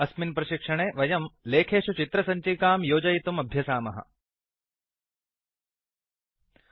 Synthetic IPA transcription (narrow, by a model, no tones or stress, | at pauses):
ɐsminpɾɐʃikʂɐɳeːʋɐjɐmleːkʰeːʃut͡ʃit̪ɾɐsɐɲt͡ʃiːkaːmjoːd͡ʒɐjit̪umɐbʱjɐsaːmɐɦɐ̰̆